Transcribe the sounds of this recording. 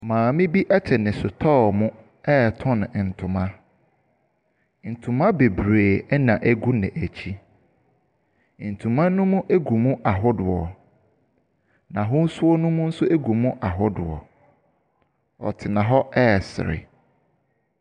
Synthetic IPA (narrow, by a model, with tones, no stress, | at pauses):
mãː˨mɪ̃˦bi˦ʔɛ˦t͡ɕʰɛ˨nɪ̃˨sʊ˨tʰɔ˦˨mʊ̃˦ | ɛ˦˨tʰʊ̃˦ñ˨n̩˨tʰʊ̃˨mã˦ | n̩˨tʰũ˨mã˦be˨bɾeː˨ɛ˦nã˨ʔæ˦ɡu˦nɪ̰̃˨ʔæ˨t͡ɕʰi˦ | n̩˨tʰũ˨mã˦nũ˦mũ˦ʔe˦ɡu˨mũ˦ʔa˨ɦʊ˦dʊ˨ɔ˨ | nã˨ɦʊ̃˦n̩˦sʊ˦ɔ˦nũ˦mũ˦n̩˦sʊ˦ʔe˦ɡu˨mũ˦ʔa˨ɦʊ˦dʊ˨ɔ̰˨ | ɔ̰˨tʰɪ˨nã˨ɦɔ˦ɛː˦˨sɪ̰˨ɾɪ̰˨